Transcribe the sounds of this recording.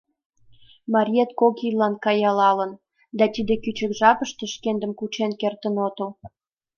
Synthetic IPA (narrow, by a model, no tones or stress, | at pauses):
mɑɾʲiet̪kokilɑnkɑjɑlɑlə̆n | d̪ɑt̪id̪ekyt͡ɕə̆kʒɑpəʃt̪eʃkend̪ə̆mkut͡ɕenkert̪ənot̪əl